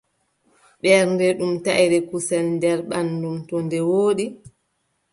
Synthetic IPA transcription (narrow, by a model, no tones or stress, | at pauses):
ɓɛɾndɛɗumtajɾɛkusɛlndɛɾɓanːdumtɔndɛwoːɗi